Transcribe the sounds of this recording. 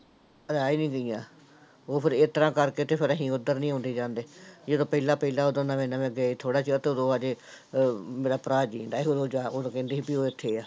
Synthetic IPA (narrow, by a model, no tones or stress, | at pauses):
əd̪aːiːnĩːɡəijãː | oːpʰɪɾet̪əɾãːkəɾkeːt̪eːpʰɪɾəɦĩːʊd̪əɾnĩːɦõːnd̪eːd͡ʒãːnd̪eːd͡ʒeːd̪õːpəilãːpəilaːoːd̪õnaːmẽːnaːmɛ̃ːɡeaːiːt̪ʰoːɽaːt͡ʃət̪eod̪oːaːd͡ʒeː | meːɾaːpɾaːd͡ʒiːnd̪aːoːd̪oːd͡ʒaːoːd̪õːkɛ̃ːnd̪eːiːbiːoːɪt̪ʰːeːaː